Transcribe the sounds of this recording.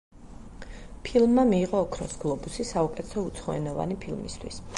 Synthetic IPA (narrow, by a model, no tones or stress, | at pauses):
pʰilˠmːamiːʁɔːkʰɾɔsɡ̥lˠɔbusisaukʼɛt̪ʰɛt̪ʰɔut̪sʰχɔɛnɔva̰nipʰilˠmḭst̪ʰwḭs